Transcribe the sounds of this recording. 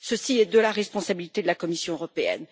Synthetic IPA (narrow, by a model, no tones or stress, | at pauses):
səsiɛd̪əlaʁɛspɔ̃sabilit̪ed̪əlakɔmisjɔ̃øʁɔpeɛ̰n